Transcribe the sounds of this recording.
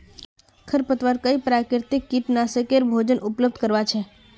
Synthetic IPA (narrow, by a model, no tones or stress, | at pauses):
kʰəɾpət̪ʋaɾkəipɾakɪɾt̪ikːiʈnasekeɾbʱod͡ʒənʔupləb̚d̪ʱkəɾʋat͡ʃʰe